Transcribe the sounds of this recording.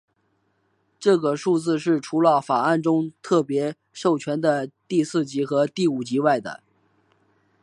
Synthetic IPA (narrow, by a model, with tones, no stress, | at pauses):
ʈ͡ʂɤ˥˩ɡə˩ʂu˥˧t͡sɹ̩˥˧ʂɻ̩˥˩ʈ͡ʂʰu˧˥lə˧fa˨˩a˥˩nʈ͡ʂʊ˥ŋt̪ʰɤ˥˩pjɛ˧˥ | ʂo˥˩ʊt͡ɕʰɥɛ˧˥nd̪ə˧t̪i˥˧sɹ̩˥˩t͡ɕi˧˥xɤ˧˥t̪i˥˩u˨˩t͡ɕi˧˥wa˥˩ɪd̪ə̰˩